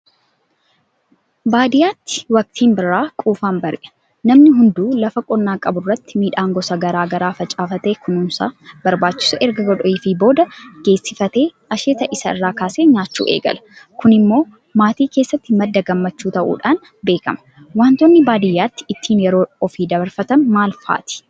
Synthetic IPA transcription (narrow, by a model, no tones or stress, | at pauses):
baːd̪ɪjaːt̪ːɪ̥wɐk̚t̪ʰiːmbɪrːaːkʼuːfaːmbɐɾɪʔɐ̥ | nɐmnɪɦʊnd̪uːlɐfɐkʼɔnːaːkʼɐbʊrːɐt̪ːɪ̥miːᶑaːŋɡɔsɐɡɐɾaːɡɐɾaːfɐt͡ʃʼaːfɐt̪eːkʊnʊmsa̰ːbɐɾbaːt͡ʃːɪ̥sɐʔɛɾɡɐɡɔᶑɔɪfibo̞ːd̪ɐɡ̥e̞ːsːɪfɐt̪e̞ːʔɐʃeːt̪ɐʔɪsɐɪ̰rːaːkaːseːɲaːt͡ʃːṵːʔḛːɡɐ̰lɐ̥kʊnɪmːo̞ː | maːt̪iːkeːsːɐt̪ːɪmɐd̪ːɐɡɐmːɐt͡ʃːuːt̪ɐʔṵːᶑaːn | be̞ːkɐ̰mɐ̥ | waːnt̪ɔnːɪbaːd̪ɪjːaːt̪ːɪ̥ɪt̪ʰːiːnjɛɾo̞ːɔfiːd̪ɐbɐɾfɐt̪ɐnmaːlfa̰ːt̪ɪ̥